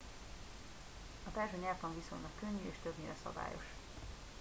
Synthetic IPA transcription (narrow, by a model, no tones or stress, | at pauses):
ɒt̪ɛrʒøɲɛɾt̪ɒɱvisolnɒkːøɲːyeːʃt̪øbniɾɛsɒ̰ba̰ːjo̞̰ʃ